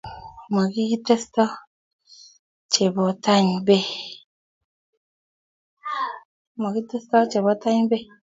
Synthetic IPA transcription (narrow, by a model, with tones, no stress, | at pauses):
ma˨ɡi˦ɡi˦te˦stɔ˦ | t͡ʃe˨bɔ˨ta˦ɲ˨be˦ | ma˨ɡi˦te˦stɔ˦t͡ʃe˨bɔ˨˦ta˦ɲ˦be˦